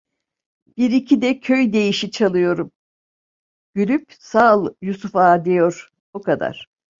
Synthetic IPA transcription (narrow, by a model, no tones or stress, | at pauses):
b̥iɾicʰid̪ɛcʰøjd̪e̞jiʃit͡ʃʰalˠɯjo̞ɾum | ɟ̥ylʲyp | salˠjusufaːd̪ejo̞ɾ̥ | bukad̪a̰ɾ̥